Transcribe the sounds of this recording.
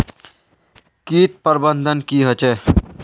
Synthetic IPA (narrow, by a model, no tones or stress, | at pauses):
kiːt̪̚pəɾbənd̪ʱənkiɦət͡ʃɛ